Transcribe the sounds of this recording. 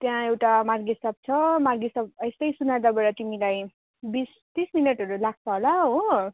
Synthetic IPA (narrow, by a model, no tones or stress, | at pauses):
t̪jãewʈamarɡisʌb̚t͡sʰʌmarɡisʌb̚ʌjst̪ʌjsunad̪abʌɽʌt̪imilaj | bis | t̪isminʌʈʌɾulak̚t͡sʰʌɦolaɦo